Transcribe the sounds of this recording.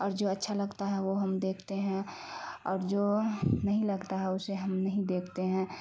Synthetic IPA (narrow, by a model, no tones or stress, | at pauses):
ɔːɾd͡ʒoːɐtːʃʰalɐɡt̪aɦɛʋoɦəmd̪eːkʰt̪eɦɛ̃ | ɔːɾd͡ʒoːnəɦĩlɐɡt̪aɦɛʊseɦɐmnəɦĩd̪eːkʰt̪eɦɛ̃